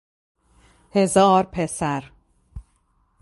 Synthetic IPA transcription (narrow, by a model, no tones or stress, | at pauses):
hezɒːɾpʰesæɾ